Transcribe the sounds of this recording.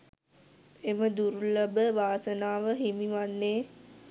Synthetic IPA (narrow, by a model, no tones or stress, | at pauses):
eməd̪uɾuləbəʋaːsənaːʋəɦimiʋanːeː